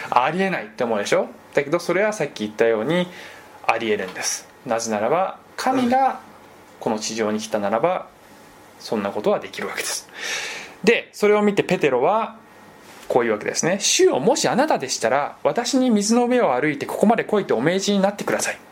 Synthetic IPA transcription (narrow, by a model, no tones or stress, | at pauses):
aɾʲie̞nait̪ːe̞omo̞ːd̪e̞ɕo̞d̪̥ake̞d̪o̞so̞ɾe̞βasakʲːiːt̪ːajo̞ːɲ̟i | aɾʲie̞ɾɯ̟̃nd̪e̞sɨ̥ | nazenaɾaba | kʰamʲiɡa | ko̞no̞t͡ɕiʑo̞ːɲ̟ikʲi̥t̪anaɾaba | sõ̞nːako̞t̪o̞βad̪e̞kʲiɾɯ̟βake̞d̪̥e̞̥sɨ̥ | d̪e̞so̞ɾe̞o̞mʲit̪e̞pe̞t̪e̞ɾo̞βa | ko̞ːjiɯːβake̞d̪e̞sɨne̞ɕɨo̞mo̞ɕianat̪ad̪e̞ɕi̥t̪aɾaβat̪aɕiɲ̟imʲizɨno̞me̞o̞aɾɯ̟it̪e̞ko̞ko̞mad̪e̞ko̞it̪eo̞me̞ːʑiɲ̟inat̪ːe̞kɯ̟d̪asai